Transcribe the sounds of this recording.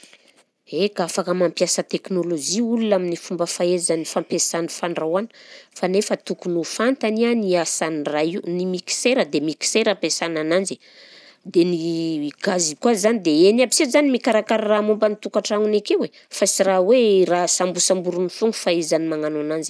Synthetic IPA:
ekafakəmampjasət̪eknolod͡ʒiulunaminifumbəfaezanifampesanifaɳɖ͡ʐawani̥fanefət̪ukunufant̪anianiasanrainimiki̥seɾəd̪emiki̥seɾapesananand͡ʒi | d̪eniɡazikwazanid̪eenabisezanimikaɾakaɾaramumbanit̪ukaʈ͡ʂaŋunakewe | fasiɾawerasambusambuɾunifuŋufaezanimaŋananand͡ʒi̥

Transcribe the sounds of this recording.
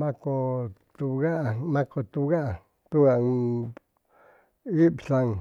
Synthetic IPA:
mãkot̪uɣaʔmãkot̪uɣaʔa | t̪uɣa | ibsãŋ

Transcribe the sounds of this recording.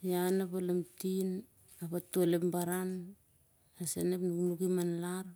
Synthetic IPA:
janapalemtin | apatulepmbaɾan | asenepnuknukimanlaɾ

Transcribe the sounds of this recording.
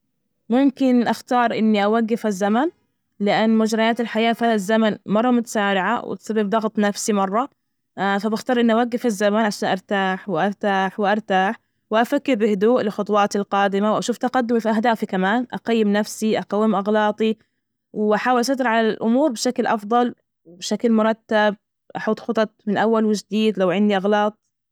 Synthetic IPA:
mʊmkɪnʔaxt̪ɑːɾˤʔɪnːiʔawaɡːɪfazːaman | lɪʔanːmʊd͡ʒɾˤɑjaːt̪alħajaːfalzːamanmɑrˤːɑmʊt̪ḁsaːɾɪʕa̰wɪ̰t̪sabːɪbd̪ˤɑɣt̪ˤnafsimɑrˤːɑ | fabɪxt̪ɑːɾˤʔɪnːʔawaɡːɪfazːamaʕaʃaːnʔɑɾˤt̪aːħwɪʔɑɾˤt̪aːħwɪʔɑɾˤt̪aːħ | wʔafakːɪɾbɪhʊd̪uːʔlɪxʊt̪ˤwɑːt̪ɪlqɑːd̪ɪmawʔaʃuːft̪aqad̪ːʊmifiʔaɦhd̪aːfikamaːnʔa̰qajːɪmnafsiʔaqɑwːɪmʔɑɣlɑːt̪ˤi | wɪʔaħaːwɪlʔsˤɑd̪ɪɾʕalalʔʊmuːɾbɪʃaklʔɑfd̪ˤɑl | wbʃaklmʊɾˤɑt̪ːab̚ | ʔaħuːt̪ˤxʊt̪ˤɑt̪̚ˤmɪnʔawːalwɪd͡ʒd̪iːd̪lawʕɪnd̪iʔɑɣlɑːt̪̚ˤ

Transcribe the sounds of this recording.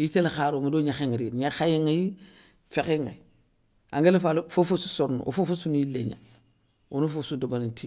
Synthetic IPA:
itelaxaɾoŋadoɲaxeŋɾiɾɲaxajeŋaji | fekeŋa̰ | a̰ŋɡelafalofofususoɾnṵʔo̰fofusunileɲa̰ | unufosudobaniti

